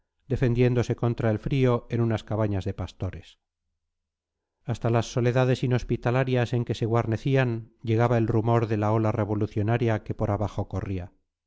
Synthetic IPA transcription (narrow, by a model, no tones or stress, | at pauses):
d̪̥e̞fe̞nd̪je̞nd̪o̞se̞ko̞nt̪ɾae̞lfɾio̞e̞nunaskaβaɲazðe̞past̪o̞ɾe̞s | ast̪alasːo̞le̞ðaðe̞sino̞spit̪alaɾjase̞ŋke̞se̞ɣwaɾne̞θianʎe̞ɣ̞aβae̞lrumo̞ɾðe̞lao̞lare̞βo̞luθjo̞naɾjake̞po̞ɾaβaxo̞ko̞ria